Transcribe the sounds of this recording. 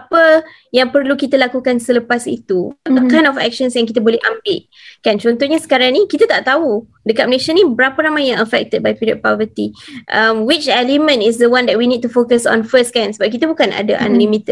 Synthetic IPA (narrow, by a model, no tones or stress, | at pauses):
apə | jaŋpərlukit̪alakukansələpasḭt̪uəkãjnɔfɛ̰k̚ʃənsjaŋkit̪abolɛhambɪʔ̚ | kant͡ʃɔnt̪ɔhɲasə̥kaɾaŋnikit̪at̪aʔt̪au | dəkat̪̚məleʃanĩbəɾapəɾamajjãŋəfɛ̰k̚t̪əd̚bajpiɾiɔ̰d̚pɔvət̪iʔəmwit͡ʃɛlimə̃nis̬dəwandɛt̚winid̚t̪ufokəsɔ̰̃nfəskansəbap̚k̬it̪abukanʔa̰da̰ʔã̰nlimit̪ə